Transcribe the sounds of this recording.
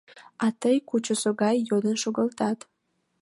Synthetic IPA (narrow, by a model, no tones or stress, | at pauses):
ɑt̪əjkut͡ɕosoɡɑjːod̪ənʃoɡəlt̪ɑt̪